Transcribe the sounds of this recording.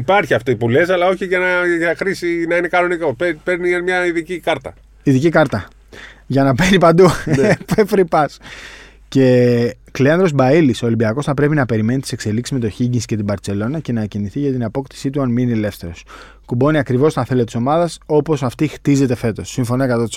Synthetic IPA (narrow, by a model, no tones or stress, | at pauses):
ipɐɾçiɐft̪oipule̞sɐlɐo̞çiʝɐnɐʝɐxɾisinɐine̞kɐno̞nikoppeɾniɐmɲɐiðicikɐɾt̪ɐ̰ | iðicikɐɾt̪ɐ | ʝɐnɐpenipɐnd̪upefɾipɐs | ce̞ | kleɐnd̪ɾo̞zbɐiliso̞olimbiɐko̞sθɐpɾe̞pinɐpe̞ɾime̞nit̪i̥se̞kse̞liksizme̞t̪o̞çiɲɟinsce̞t̪ibɐɾt͡se̞lo̞nɐce̞nɐciniθiʝɐt̪inɐpo̞kt̪i̥sit̪uɐnminiele̞fθe̞ɾo̞s | kubo̞niɐkɾivo̞st̪ɐnθe̞let̪iso̞mɐðɐso̞po̞sɐft̪ixt̪ize̞t̪e̞fe̞t̪o̞sːiɱfo̞noekɐt̪ɐt̪i̥s